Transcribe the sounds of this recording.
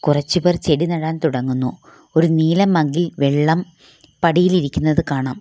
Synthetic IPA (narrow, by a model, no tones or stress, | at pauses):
kurɐt͡ɕːubɐrt͡ɕe̞ɽinɐɽaːnt̪uɽɐŋːunːu | o̞ɾuniːlɐmːɐŋɡilʋeɭːɐm | pɐɽijiliɾikʲːunːɐðɨkaːɳaːm